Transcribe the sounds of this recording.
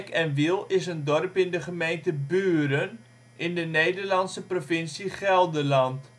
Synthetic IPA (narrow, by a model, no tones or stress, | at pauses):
kɛnʋilˠɪsəndɔrpɪndəχəmejntəbyːɾən | ʔɪndənejdərlɑnsəprofɪnsiχɛlˠdəlɑnt